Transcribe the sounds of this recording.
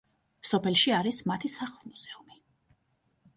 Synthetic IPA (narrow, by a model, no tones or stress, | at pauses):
sɔpʰɛlˠʃiaɾismat̪ʰisaχlˠmuz̥ɛumi